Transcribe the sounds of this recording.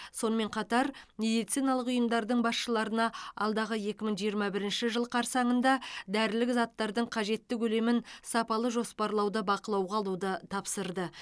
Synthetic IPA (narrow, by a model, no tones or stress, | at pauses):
so̞nəmẽ̞ɴqʰɑt̪ɑɾmʲe̞d̪ijt̪sijnɑlˠəqʊjəmd̪ɑɾd̪əɴbɑsʃəlˠɑɾənɑɑ̰lˠd̪ɑʁəje̞kʲɪməɴʒijəɾmɑbɪɾɪnʃɪʒəlˠqʰɑɾsɑɴənd̪ɑd̪æɾɪlɪkzɑt̪ːɑɾd̪əɴqʰɑʒe̞t̪ːɪkʰɵle̞mɪnsɑpɑlˠəʒo̞spɑɾlˠɑwd̪əbɑqəlˠɑwʁɑɑlˠud̪ət̪ʰɑpsəɾd̪ə